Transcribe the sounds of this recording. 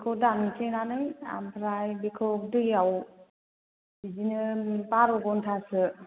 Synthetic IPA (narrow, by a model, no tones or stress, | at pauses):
bkʰɔdanɯtʰenanɯja̰mpʰɾajbikʰɯkdɯjaw | bid͡ʒinɯpaɾɔɡɔntʰasɯ